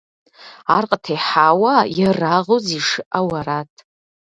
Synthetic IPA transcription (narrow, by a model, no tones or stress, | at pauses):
arqʼtʰejħawajaraʁoziʂɨʔawaɾatʼʰ